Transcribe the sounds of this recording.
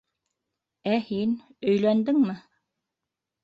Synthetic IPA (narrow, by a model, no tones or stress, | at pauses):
æhinɵ̆jlænd̪ɘŋmɘ